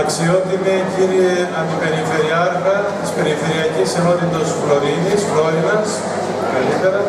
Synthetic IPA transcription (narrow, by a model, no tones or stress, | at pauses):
ɐksio̞t̪imiciɾieɐnd̪ipe̞ɾife̞ɾiɐɾɣɐt̪ispe̞ɾife̞ɾiɐcisenot̪id̪ospɾoɾiɣispɾoimɐs | kɐlit̪e̞ɾɐ